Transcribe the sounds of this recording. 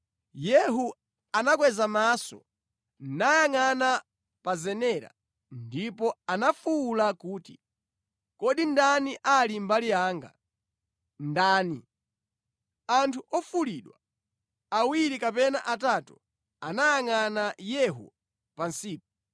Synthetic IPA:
jɛɦu | anak̬wɛzamaːsɔ̰ | najaŋana | pazɛnɛɾa̰ | ndipɔanafuːlakuːtḭ | kɔɗindaniʔalimbalijaːŋɡa | ndaːni | antʰuʔɔfuliɗwa | awiɾikapɛna̰ʔatatu | anajaŋanajɛɦṵ | pansiːp̚ɔ

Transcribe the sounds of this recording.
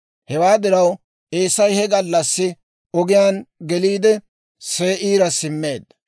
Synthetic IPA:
hɛwaːd̪ɪɾɐw | ʔeːsːɐjhɛɡɐlːɐsːɪ | ɔɡɪjaːnɡɛliːd̪ɛ | se̞ːʔiːɾɐsɪmːe̞ːd̪ːɐ

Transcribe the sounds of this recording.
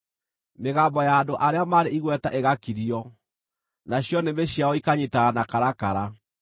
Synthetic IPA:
meɣaːmbɔjaːndoʔaɾeamaɾeiɣwɛtaʔeɣakiɾiɔ | naɕjɔnemeɕjaɔikaɲitaːnakaɾakaɾa

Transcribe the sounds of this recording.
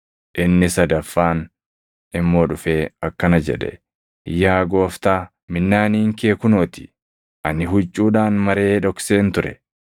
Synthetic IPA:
ʔɪnːɪsɐd̪ɐfːaːn | ɪmːo̞ːᶑʊfe̞ːɐkːɐnɐd͡ʒɛ̰ᶑɛ̰ | jaːɡo̞ːft̪aː | mɪnːaːniːŋkeːkʊnoːt̪ɪ̥ | ʔɐnɪɦʊt͡ʃʼːuːᶑaːnmɐɾe̞ːᶑɔkse̞ːnt̪ʊɾɛ̰

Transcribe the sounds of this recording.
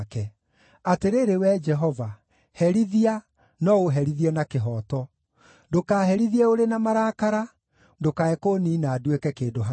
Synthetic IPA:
kɛ | ateɾeːɾewɛd͡ʒɛɦɔva | hɛɾiðia | nɔoɦɛɾiðiɛnakeɦɔːtɔ | dokaːhɛɾiðiɛoɾenamaɾaːkaɾa | dokaɛkoːniːnaːdwekɛkeːndoɦa

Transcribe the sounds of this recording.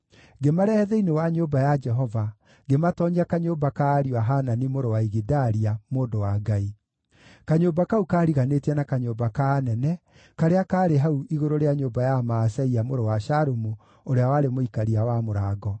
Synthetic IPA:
ɡemaɾɛɛðɛinewaɲoːbajad͡ʒɛɦɔva | ɡematɔɲakaɲoːbakaːɾiwaɦananimoɾowaiɣidaɾiamoːndowaɡai | kaɲoːbakaukaːɾiɣanetiɛnakaɲoːbakaːnɛnɛ | kaɾeakaːɾeɦauʔiɣoɾoɾeaɲoːbajamaːsɛiamoɾowaʃaɾomu | oɾeawaɾemoikaɾiawamoɾaːɡɔ

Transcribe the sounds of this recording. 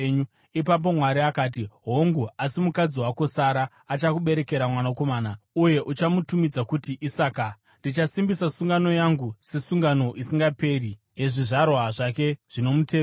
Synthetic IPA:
ɲu | ipap̬o̞mwaɾiakaːt̬iɦo̞ŋɡuasimukad͡ziwako̞saɾaːt͡ʃakuɓe̞ɾe̞ke̞ɾamwanako̞maːnauje̞ʔut͡ʃamutumid͡zakutiʔisaːka | ndit͡ʃasimbisasuŋɡano̞jaŋɡuse̞suŋɡano̞ʔisiŋɡape̞ri | je̞ʐiʐarwaʐake̞ʐ̥ino̞muteː

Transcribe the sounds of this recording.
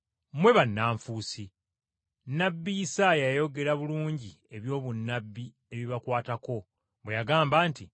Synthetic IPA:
mwe̞βanːaːɱfuːsi | nːabːijisaːjajajo̞ɡe̞ɾaβuluːɲɟi | e̞βjo̞ːβunːabːi | e̞βiβakwaːtako̞ | βwe̞jaɡaːmbaːnti

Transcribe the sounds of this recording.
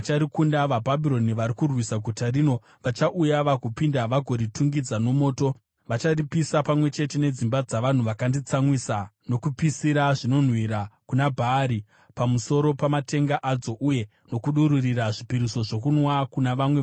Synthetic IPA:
at͡ʃaɾikundaʋabʱabʱiɾo̞niʋaɾikurwisaɡʱutarino̞ | ʋat͡ʃaʔujaʋakupindaʋaɡʱo̞ɾitʰuŋɡid͡zano̞mo̞ːto̞ | ʋat͡ʃaripisapamwe̞t͡ʃe̞te̞ne̞d͡zimbad͡zaʋan̤uʋakandit͡samwisano̞kupisiɾaʐino̞n̤wiɾakunabʱaːɾi | pamuso̞ɾo̞pamate̞ŋɡaʔad͡zo̞ʔuje̞ | no̞kuɗuɾuriɾaʐipiɾiso̞ʐo̞kunwakunaʋamwe

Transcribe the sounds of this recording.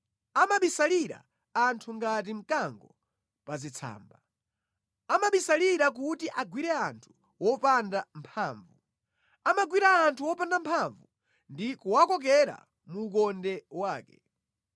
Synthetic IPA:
amaɓisaliɾa̰ | antʰuŋɡat̬im̩kaŋɡɔ | pazit͡sʰa̰ːmba | amaɓisaliɾak̬utiʔaɡwiɾɛantʰu̥ | wɔpandampʰaːɱvu | amaɡwiɾaːntʰuwɔpandampʰaɱvu | ndikuwakɔk̬ɛɾa̰ | muːkɔndɛwaːkɛ

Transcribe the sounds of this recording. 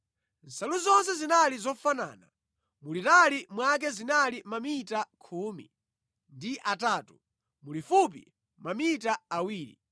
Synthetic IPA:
n̩saluzɔnsɛzinalizɔfana̰ːna̰ | mulitalimwak̬ɛzinalimamitakʰuːmḭ | ndiʔataːtu | mulifup̬ḭ | mamitaawiːɾḭ

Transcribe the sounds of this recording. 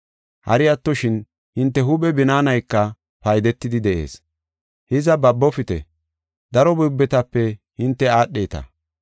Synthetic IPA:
hɐ̰ɾɪjɐt̪ːɔʃɪn | hɪnt̪ːɛɦʊɓɛbɪnaːnɐjkːɐ | pɐjd̪ɛt̪ːɪd̪ɪd̪ɛʔe̞̰ːs | hɪzɐbɐbːɔfɪt̪ɛ̰ | d̪ɐɾɔbʊjbːɛt̪ɐpːɛhɪnt̪ːɛaːɗːeːt̪ɐ̰

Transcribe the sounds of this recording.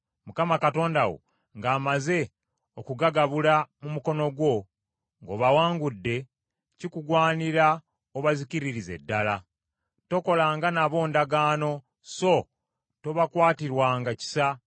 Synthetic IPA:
mukamakato̞ːndawo̞̰ | ŋɡaːmaze̞ | okuɡaɡaβulamumuko̞no̞ɡwo̞ | ŋɡo̞̰ːβawaːŋɡudːe̞ | cikuɡwaːniɾa | oβaziciɾiɾize̞̰dːala | to̞ko̞laːŋɡanaβo̞ːndaɡaːno̞ | so̞ | to̞βakwaːtiɾwaːŋɡaci̥sa

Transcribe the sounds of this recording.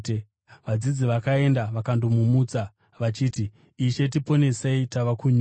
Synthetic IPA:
ʋad͡zid͡ziʋakae̞ndaʋakandomumuːt͡sa | ʋat͡ʃiːtiː | ʃe̞t̬ipo̞ne̞seitaʋakuɲ

